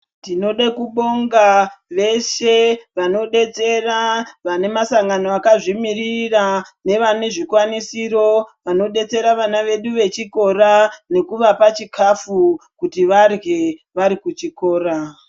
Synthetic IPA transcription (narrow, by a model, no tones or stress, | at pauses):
tino̞ɗakuɓo̞ŋɡaʋe̞ʃeʋano̞ɗe̞t͡se̞raʋane̞masaŋɡanoakaʐimirirane̞ʋane̞ʐikwanisiɾo̞ʋano̞ɗe̞t͡se̞ɾaʋanaʋe̞ɗuʋe̞t͡ʃiko̞rane̞kuʋapat͡ʃikʰafukutiʋarɣe̞ʋaɾikut͡ʃiko̞ːra